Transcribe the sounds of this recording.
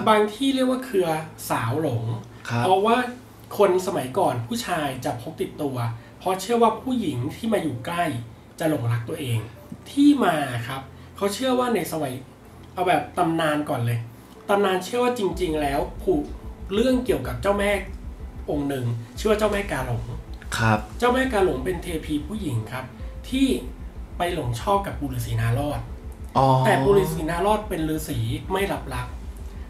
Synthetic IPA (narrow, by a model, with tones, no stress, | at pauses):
baː˧ŋt̪ʰiː˥˩ɾi˥˩ək̚waː˥˩kʰɯ˧ɐsaː˩˦wlo˩˦ŋʰ | pʰɾɔ˦˥waː˥˩ | kʰo˧nsa˧ma˩˦jkɔː˨˩npʰuː˥˩t͡ɕʰaː˧jt͡ɕa˨˩pʰo˦˥p̚t̪i˨˩t̪ːu˧ɐ | pʰɔ˦˥t͡ɕʰɯ˥˩ɐwaː˥˩pʰuː˥˩ji˩˦ŋt̪ʰiː˥˩maː˧juː˨˩kla˥˩j | t͡ɕa˨˩lo˨˩˦ŋla˦˥k̚t̪u˧ɐʔeː˧ŋ | t̪ʰiː˥˩maː˧˩kʰa˦˥p̚ | kʰa˦˥wt͡ɕʰɯ˥˩ɐwaː˥˩na˧jsa˧wa˩˦j | ʔa˧˩wbɛː˨˩p̚t̪a˧mnaː˧nkɔː˨˩nlɤː˧j | t̪a˧mnaː˧nt͡ɕʰɯ˥˩əwaː˥˩t͡ɕi˧ŋt͡ɕi˧ŋlɛː˦˥wpʰuː˨˩k̚lɯ˥˩əŋki˨˩əwka˨˩p̚t͡ɕaː˥˩wmɛː˥˩ʔo˧ŋnɯ˧ŋt͡ɕʰɯ˥˩wa˥˩t͡ɕaː˥˩wmɛː˥˩kaː˧lo˩˦ŋkʰp̚t͡ɕaː˥˩wmɛː˥˩kaː˧lo˨˩˦ŋpe˧nt̪ʰeː˧pʰiː˧pʰuː˥˩ji˩˦ŋkʰa˦˥p̚t̪ʰiː˥˩pa˧jlo˩˦ŋt͡ɕʰɔː˥˩p̚ka˨˩p̚ːuː˧liː˧˩siː˩˦naː˦˥lɔː˥˩t̪̚ʔɔ˨ɛː˨˩puː˧li˧˩siː˩˦naː˦˥lɔː˥˩t̪̚pe˧nɾɯː˧siː˩˦ma˥˩jla˦˥p̚la˦˥p̚